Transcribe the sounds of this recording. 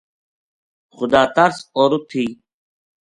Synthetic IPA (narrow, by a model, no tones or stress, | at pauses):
xʊd̪aːt̪əɾsoːɾut̪ʰːiː